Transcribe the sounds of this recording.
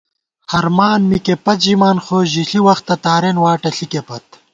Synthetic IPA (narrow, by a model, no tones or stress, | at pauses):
hɐɾmaːnmikepɐt̪ʑimaːnxoːʑiɬiwɐxt̪ːɐt̪aːɾenwaːʈɐɬikepɐt̪